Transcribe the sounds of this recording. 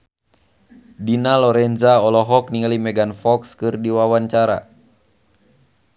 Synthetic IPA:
dinalɔɾɛnzaɔlɔɦɔk̚niŋalimɛɡanfɔkskɨrdiwawaɲt͡ʃaɾa̰

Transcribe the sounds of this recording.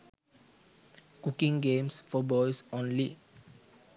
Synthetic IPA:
kukĩŋɡẽmsfɔbɔjsõnli

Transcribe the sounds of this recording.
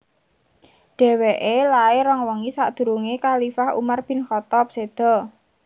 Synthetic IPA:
ɖ̪̥ɛ̤weʔelaeɾɔŋwɔŋisaʔd̪̥ṳɾuŋekalifahṵmarb̥ɪ̤nxɔt̪ɔp̚sed̪̥ɔ̤

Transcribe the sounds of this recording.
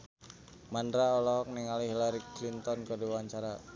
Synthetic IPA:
mandɾaɔlɔɦɔk̚niŋaliɦilaɾiklint̪ɔnkədiwaɲt͡ʃaɾa

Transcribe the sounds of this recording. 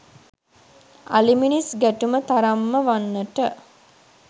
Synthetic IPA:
a̰liminisɡæʈumət̪aɾamːəʋanːəʈə

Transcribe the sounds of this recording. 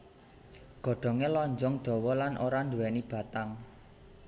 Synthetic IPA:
ɡ̥ɔ̤ɖ̥ɔ̤ŋelɔɲd͡ʒɔŋd̪̥ɔ̤wɔlanʔoɾand̪uwɛnib̥a̤t̪aŋ

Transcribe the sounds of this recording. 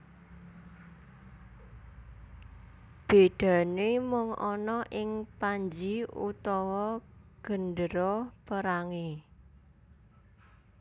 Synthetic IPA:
b̥e̤d̪̥a̤nemʊŋʔɔnɔʔɪŋpaɲd͡ʒiṵt̪ɔwɔɡ̥ə̤nɖəɾɔpəɾaŋe

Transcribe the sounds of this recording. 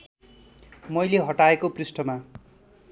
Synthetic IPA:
mʌjleɦʌʈaekoprisʈʰʌma

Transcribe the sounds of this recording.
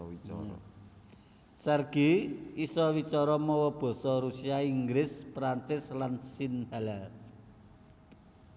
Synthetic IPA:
sɛrɡ̥iisɔwit͡ʃɔɾɔmɔwɔb̥ɔ̤sɔɾusiaiŋɡɾɪspɾant͡ʃɪslansinha̤la

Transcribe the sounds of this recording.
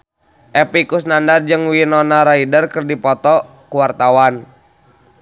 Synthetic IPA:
ʔɛpikusnandard͡ʒɨŋwinɔnaɾaidərkərdipɔt̪ɔ | kuwart̪awan

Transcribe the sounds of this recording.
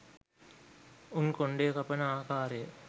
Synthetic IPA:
unkoɳɖejkɐpɐnəaːkaːɾejə

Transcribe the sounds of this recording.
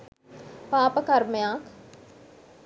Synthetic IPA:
paːpəkɐɾmjãːk

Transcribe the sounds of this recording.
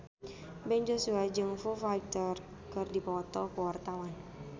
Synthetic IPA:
bɛɲd͡ʒosuad͡ʒɨŋfufajt̪ər | kərdipəŋɔt̪ɔpəwart̪awan

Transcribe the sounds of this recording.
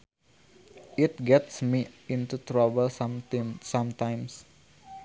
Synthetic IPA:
ɪt̪̚ɡɛtsmiĩnt̪utɾabəl | sãmt̪ãjms

